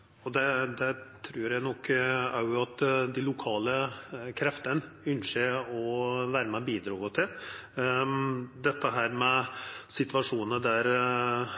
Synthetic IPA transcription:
ɔd̪ɛd̪ɛt̪ʰɾʉːɾjæɪnɔkʰːæɾjʊɑt̪d̪ɪlʊkʰɑːləkʰɾɛft̪ən | ʏnʂeɔʋæːɾəmɛbiːd̪ɾɑːɡət̪ʰɪl | d̪ɛt̪ːəɦæːɾmɛsɪt̪ʋɑʂuːnəd̪æɾ

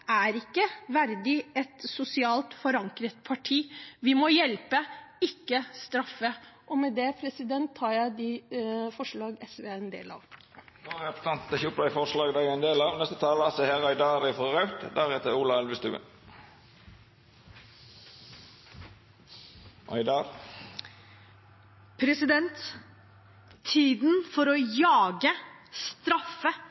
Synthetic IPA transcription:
æɾɪkːəʋæɾd̪ɪɛt̪sʊsɪɑːlt̪fɔɾɑŋkɾət̪̚pʰɑʈʰiːʋɪmɔjɛlpəɪkːəst̪ɾɑfːəʔɔmɛd̪ɛpʰɾɛsɪd̪ɛnt̪ʰːɑːɾjæɪd̪ɪfɔʂɭɑːɡɛsʋeːɛnd̪ḛːlɑ̰ːʋ | noɛpə̥st̪ɑnt̪t̪ɛçʊpːəd̪æɪfɔʂlɑːɡd̪æɪɡɛnd̪eːlɑːʋnɛst̪ət̪ʰɑːləɑsɛheʁæɪd̪ɑːɾɪfɔʁɑʉt̪d̪æɾheːt̪əɾuːlɑɛlʋəst̪ʉ̰ːə̰ | ʔɑ̰ɪd̪ɑɾ | pʰɾɛsɪd̪ɛnt̪ | iːd̪nfɔɾɔjɑːɡəst̪ɾɑfə

